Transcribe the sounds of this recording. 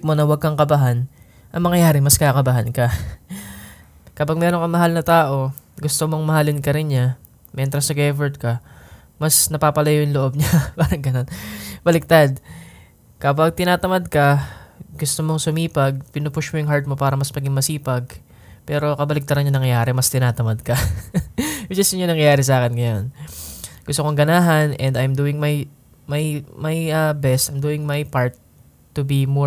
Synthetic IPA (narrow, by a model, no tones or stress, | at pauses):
k̚mo̞nɐwɐɡ̚kɐŋkɐbaɦan | ʔɐŋmɐŋɐjaːɾɪmɐskakɐbaɦankɐ | kɐpɐɡ̚mɛːɾonkɐŋmɐɦalnɐt̪aːʔo̞ | ɡʊst̪omo̞ŋmɐhalɪnkɐɾɪnɲa | mʔɛnt̪ɾɐsɐɡɛvɛɹt̪̚kɐ | mɐsnɐpaːpɐlɐjojʊŋloʔo̞b̚ɲapaːɾɐŋɡɐno̞nb̥ɐlɪk̚t̪ad̪̚ | kɐpɐɡ̚t̪ɪnaːt̪ɐmad̪̚kɐɡʊst̪omoŋsʊmiːpɐɡ̚pɪnʊpʊʃmojʊŋɦaɹt̪̚mo̞paːɾɐmɐsmɐɡɪŋmɐsiːpɐɡ | pɛːɾo̞kɐbɐlɪk̚t̪ɐɾɐnɲɐnɐŋɐjaːɾɛmɐst̪ɪnaːt̪ɐmɐd̪̚kɐ | wɪd͡ʒɪst̪ʊɲʊŋnɐŋjaːɾɛs̬aːkɛnɡɐjon | ɡ̥ʊst̪okoŋɡɐnaːɦɐnʔɛnd̪ɐjmd̪uːɪŋmɐj | mɐjmɐjɐbɛst̪ʔɐjmd̪uːɪŋmɐjpaɹt̪ː | ʊbimo